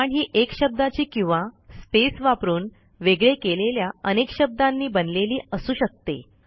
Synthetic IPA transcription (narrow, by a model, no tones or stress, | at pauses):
aɳɦiːʔekɕəb̚d̪at͡ɕiːkĩw̃ʋaspesʋapɾuːn | ʋeɡɭekeleljaənekɕəb̚d̪anːiːbənleliːəsuːɕək̚t̪ḛ